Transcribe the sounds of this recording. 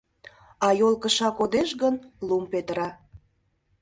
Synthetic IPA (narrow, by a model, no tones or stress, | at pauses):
ɑjolˠkəʃɑkod̪eʃɣənlumpet̪əɾɑ